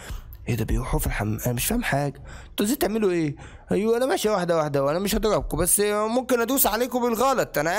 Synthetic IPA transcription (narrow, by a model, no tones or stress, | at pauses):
ʔed̪æbejewħufilħamʔæmeʃfæhemħaːɡæt̪ˤɑziːt̪eʕmeloʔeː | ʔjwʔænæmæʃiwaħd̪æwaħd̪æweʔænæmeʃhɑd̪ˤɑɾˤɑb̚kobæsːmomkenʔæd̪uːsʕaleːkobelɣɑːlɑt̪ˤʔænæ